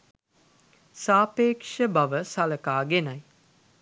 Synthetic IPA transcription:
saːpeːkʂəbaʋəsaləkaːɡenɐj

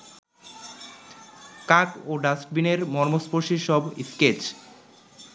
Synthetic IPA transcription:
kakoɖasʈ̚bineɾmɔɾmospoʃiʃɔbḭsket͡ɕ

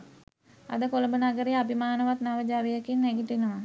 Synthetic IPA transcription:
a̰d̪əkoləmbənaɡəɾeabimaːnəʋat̪naʋəd͡ʒaɾijəkinːæɡiʈinəʋa

